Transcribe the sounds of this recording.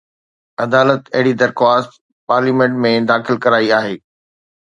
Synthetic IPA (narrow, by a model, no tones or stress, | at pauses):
ɐd̪aːlət̪ɐɦɪɽid̪ɐɾxwaːst̪ | paːɾliːmẽɳʈmẽd̪aːxɪlkɐɾaːiaːɦeː